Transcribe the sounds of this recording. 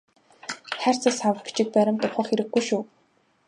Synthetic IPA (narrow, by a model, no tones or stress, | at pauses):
χær̥ʲt͡sasawə̆χɡe̥t͡ɕĭk̚pæɾʲɪ̆mt̪ʊwχə̆χeɾɘ̆ɡːujʃuː